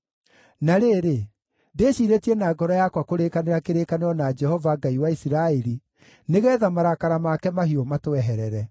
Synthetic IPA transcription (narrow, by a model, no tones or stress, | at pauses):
naɾeːɾe | deɕiːɾetiɛnaːɡɔɾɔjakwakoɾekaneɾakeɾekaneɾɔnad͡ʒɛhɔvaɡaiwaisiɾaɛɾi | neɣɛːðamaɾakaɾamakɛmaɦiomatoɛɦɛɾɛɾɛ